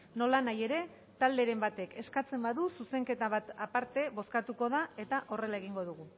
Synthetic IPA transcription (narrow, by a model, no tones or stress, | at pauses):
no̞lanaje̞ɾe̞ | t̪ald̪e̞ɾe̞mbat̪e̞kʰe̞skat͡se̞mbaðususe̞ŋke̞t̪aβ̞at̪apaɾt̪e̞βo̞skat̪uko̞ð̞ae̞t̪aʔo̞re̞laeɣiŋɡo̞ð̞uɣu